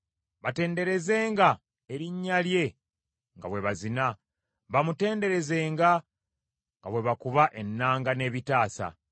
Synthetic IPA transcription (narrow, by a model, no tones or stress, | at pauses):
βate̞ːnde̞ɾe̞ze̞ːŋɡa | eɾiɲːalje̞ | ŋɡa̰βwe̞βazina | βamute̞ːnde̞ɾe̞ze̞ːŋɡa | ŋɡaβwe̞βakuβaʔe̞nːaːŋɡane̞ːβitaːsa̰